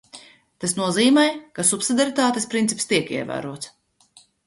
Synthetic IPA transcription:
t̪asnuɔziːmɛjkasupsid̪ʲaɾit̪aːt̪espɾint̪ipst̪iɛkiɛvæ̰ːɾuɔt̪s

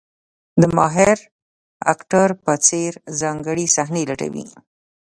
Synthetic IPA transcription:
d̪əmɑɦɪɾ | a̰kʈaɾpət͡seɾzɑŋɡəɽisaɦnelaʈa̰wḭ

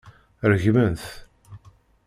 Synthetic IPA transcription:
ɾəʝmənθ

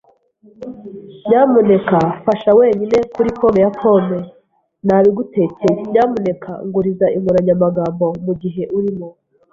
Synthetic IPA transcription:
ɲaːmune̞kafaʃawe̞ːɲine̞kuɾikomejakʰo̞me | naːβiɡute̞ːcejɲaːmune̞kʰa̰ŋɡuɾizaʔiŋuɾaɲamaɡaːmbo̞muɡiɦe̞ʔuɾimo

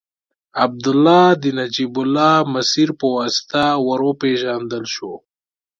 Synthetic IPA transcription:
ab̚d̪ʊlːɑd̪ənad͡ʒibʊlːɑməsiɾpəwɑsi̥t̪awaɾopeʒand̪əlʃo

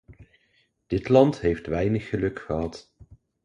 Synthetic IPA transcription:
d̥ɪtlɑntɦejftʋɛjnəχːəlɵkχəɦɑt

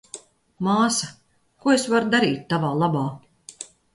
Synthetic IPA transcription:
maːsɐ | kuɔesvaɾud̪aɾiːt̪̚ʲːavaːlˠabaː

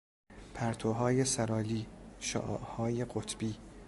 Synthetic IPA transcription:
pʰæɾt̪ʰoɦɒːjesæɾɒːliːʃɒ̰ːʔʔhɒːjeɢot̪ʰb̥iː

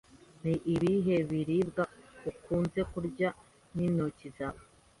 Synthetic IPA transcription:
niʔːβiɦe̞βiɾibɡaukʰuːnze̞kuɾɟa | ninocizaβo

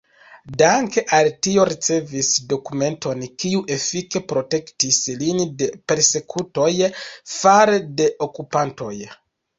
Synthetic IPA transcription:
daŋke̞ʔaltio̞ɾit͡se̞visdo̞kume̞nto̞nkiuʔe̞fike̞pɾo̞te̞ktislinde̞pe̞ɾse̞kʰuto̞jfaɾede̞ʔo̞kupanto̞̰j

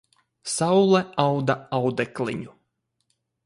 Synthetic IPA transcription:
sawlˠɛawd̪aawd̪ɛklʲˠḭɲu

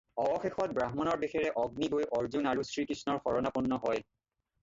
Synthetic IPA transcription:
ɔɔxexɔt̚bɹaɦmɔnɔɹbexɛɹɛʔɔɡniɡojʔɔɹzunaɹusɹikɹisnɔɹxɔɹɔnapunːɔɦɔj

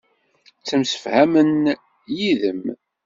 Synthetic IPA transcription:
t͡sːəmsə̥fhæmən | jiðəm

